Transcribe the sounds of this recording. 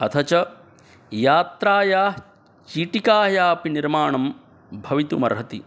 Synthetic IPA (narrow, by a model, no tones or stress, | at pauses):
ɐt̪ʰɐt͡ʃɐ | jaːt̪ɾaːjaː | t͡ʃiʈikaːjaːpiniɾmaːɳɐm | bʱɐʋit̪umɐ̰ɾɦɐt̪i